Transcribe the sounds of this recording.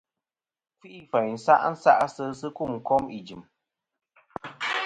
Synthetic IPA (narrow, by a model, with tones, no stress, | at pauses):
kwi˦ʔfɛ˨ɲ˨n̩˨sa̰˦ʔn̩˦sa̰˦ʔsɨ˧sɨ˦ku˦˨m̩˨kɔ˦mi˨d͡ʒɨ˨m